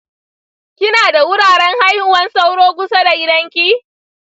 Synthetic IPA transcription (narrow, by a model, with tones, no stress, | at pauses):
kʲɪ˦naː˨da˨wʊ˦ɽaː˨ɽɛ˦ŋha˦jhʊ˨wɐ˦nsa˦wɽoː˦ɡʷʊ˦sɐ˦da˨ʔɪ˦dɐ˦ŋkʲi˦